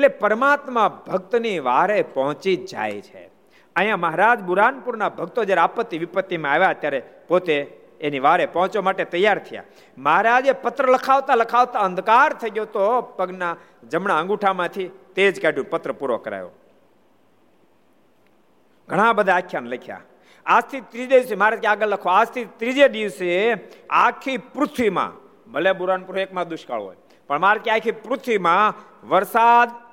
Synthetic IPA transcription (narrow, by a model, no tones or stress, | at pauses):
eʈlepəɾmat̪mãbʱəɡ̚t̪niʋaɾepɔɦɔ̃t͡ʃid͡ʒa̰jt͡ʃʰḛ | əɦijãməɦaɾad͡ʒbuɾanpuɾnabʱəɡ̚t̪od͡ʒjaɾeapət̪ːiʋɪpət̪ːimãaʋjaət̪jaɾepot̪eː | niʋaɾepɔ̃ɦɔ̃t͡ʃomaʈet̪əjːaɾt̪ʰəja̰ | məɦaɾad͡ʒepət̪ɾələkʰaʋt̪aləkʰaʋt̪aənd̪kaɾt̪ʰəɡjot̪opəɡna | d͡ʒəmɳaə̃ŋɡuʈʰamãt̪ʰit̪eːd͡ʒkaɖjũpət̪ɾəpuɾʋo̰kəɾa̰ːjo̰ | ɡʱəɽ̃ãbəd̪ʱaːkʰːjanləkʰja̰ | ad͡ʒt̪ʰit̪ɾid͡ʒeiʋsemaːɾat̪keaːɡəlːəkʰʋoad͡ʒt̪ʰit̪ɾid͡ʒeɖiʋsea̰kʰipɾʊt̪ʰʋimã̰ | bʱəlebuɾanpuɾoekmãd̪ʊʃka̰ɭo̰j | pəɳmaɾat̪̚kiakʰipɾʊt̪ʰʋimã | ʋəɾsad̪